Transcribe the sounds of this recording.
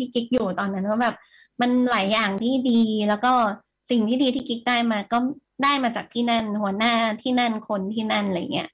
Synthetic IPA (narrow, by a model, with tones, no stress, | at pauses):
t̪ʰiː˥˩ki˦˥k̚juː˨˩t̪ɔː˧nːa˦˥nwaː˥˩bɛː˨˩p̚ | ma˧nlaː˩˦jːaː˨˩ŋt̪ʰiː˥˩diː˧lɛː˦˥wkɔː˥˩ | si˨˩ŋt̪ʰiː˥˩diː˧t̪ʰiː˥˩ki˦˥k̚daː˥˩jmaː˧kɔː˥˩ | daː˥˩jmaː˧t͡ɕaː˨˩k̚t̪ʰiː˥˩na˥˩nhu˩˦ɐnaː˥˩t̪ʰiː˥˩na˥˩nkʰo˧nt̪ʰiː˥˩na˥˩nla˧˥ja̰ː˨˩i˦ɐ